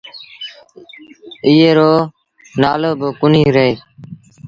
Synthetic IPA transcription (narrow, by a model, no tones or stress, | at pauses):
iːeːɾoː | naːloːbəkʊniːɾeeː